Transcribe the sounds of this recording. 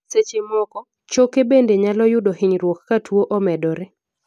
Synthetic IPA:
set͡ʃemɔkɔ | t͡ʃokebendeɲalɔjʊdɔhɪɲɾwokːatʰwoʔɔmɛdɔɾɛ

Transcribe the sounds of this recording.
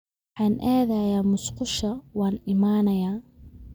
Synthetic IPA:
wħɑːnʔaːðɐjaːmʊsqʊʃɐwɑːnɪmaːnɐjaː

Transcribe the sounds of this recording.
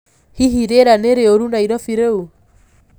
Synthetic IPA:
hiɦiɾeɾaneɾeoɾunaiɾɔfiɾeu

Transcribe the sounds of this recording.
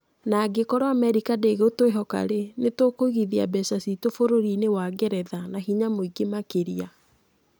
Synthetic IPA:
naɡekɔɾaamɛɾikadeɣeotoeɦɔka̰ɾenetokoɣiðia̰bɛsasitofoɾoɾinewaɡɛɾɛðanaɦiɲamoiɡemakeɾia

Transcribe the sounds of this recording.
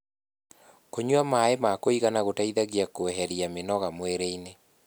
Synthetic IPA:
koɲwamaemakoiɣanaɣotaiðaɣiakoɛɦɛɾiamenɔɣamweɾeine

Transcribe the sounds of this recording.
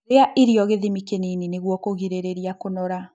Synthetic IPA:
ɾeaʔeɾiɔɣeðimikeninineɣwɔkoɣiɾeɾeɾiakonɔɾa

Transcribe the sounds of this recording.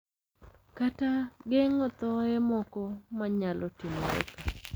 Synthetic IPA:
kataɡeŋɔt̪ɔɛmɔkɔmaɲalʔɔtimɾḛka

